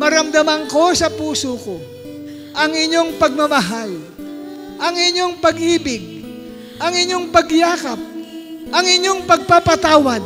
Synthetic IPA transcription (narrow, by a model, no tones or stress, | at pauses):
mɐɾɐmd̪ɐmaŋko̞sɐpuːsoko̞ | ʔɐŋɪɲːo̞ŋpɐɡ̚mɐmɐɦal | ʔɐŋɪɲːoŋpɐɡʔiːbɪɡ̚ | ʔɐŋɪɲːo̞ŋpɐɡjaːkap̚ʔɐŋɪɲːo̞ŋpɐɡ̚papɐt̪aːwɐd̪̚